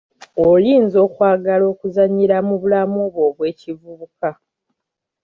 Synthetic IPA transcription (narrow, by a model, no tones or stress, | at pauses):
oliːnzo̞ːkwaːɡalo̞ːkuzaɲiɾamuβulamoβwo̞ːβwe̞ːcivuβuka